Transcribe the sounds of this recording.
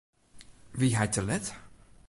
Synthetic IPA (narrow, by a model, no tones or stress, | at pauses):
ʋiɦajtəlɛt